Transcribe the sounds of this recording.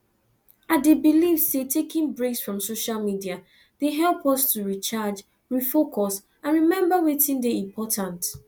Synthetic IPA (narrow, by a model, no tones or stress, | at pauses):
adebilivsetʰekĩŋbɹeksfɹɔ̃msoʃalmidia | d̥eɦɛlˠpɔstuɹit͡ʃad͡ʒ | ɹifokʰɔs | ãnɹimɛ̃mbawetĩndeĩmpʰɔtʰãnt